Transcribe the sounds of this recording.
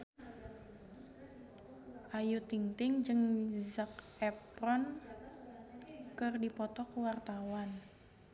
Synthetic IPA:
ʔajut̪iŋt̪ɪŋd͡ʒɨŋzak̚ɛpɾɔn | kɨrdipɔt̪ɔkəwart̪awan

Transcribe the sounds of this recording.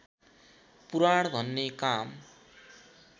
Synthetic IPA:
puɾaɽd̪ʱʌnːekam

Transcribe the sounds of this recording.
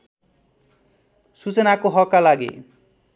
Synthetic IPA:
sut͡sʌnakoɦʌkːalaɡḛ

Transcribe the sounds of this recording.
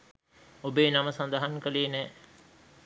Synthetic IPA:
obeːnɐməsɐnd̪ɐɦɐŋkəleːnɛː

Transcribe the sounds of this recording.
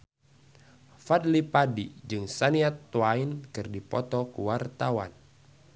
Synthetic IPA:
fadlipadid͡ʒɨŋsaniat̪ːwainkɨrdipɔt̪ɔkuwart̪awan

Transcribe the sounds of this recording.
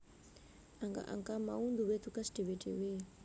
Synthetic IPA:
aŋka̰ʔa̰ŋkamaund̪uwet̪ukasɖ̥e̤weɖ̥ewe

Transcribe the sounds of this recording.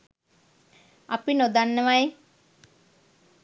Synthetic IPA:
apinod̪anːəʋaj

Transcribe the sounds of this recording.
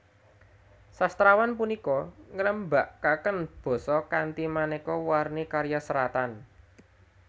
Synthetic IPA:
sast̪ɾawanpunikɔŋələmbaʔkakənb̥ɔ̤sɔkant̪imanekɔwarnikaɾjasəɾat̪an

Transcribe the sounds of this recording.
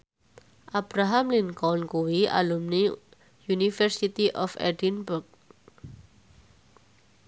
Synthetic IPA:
ʔab̥ɾaɦamliŋkɔnkuwiʔa̰lumni | junifɛrsit̪iʔɔfɛ̰dinbʊrk̚

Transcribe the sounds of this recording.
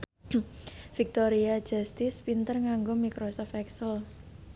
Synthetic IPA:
fik̚t̪oɾiḁd͡ʒast̪ɪspint̪ərŋaŋɡomikɾosɔft̪ɛksəl

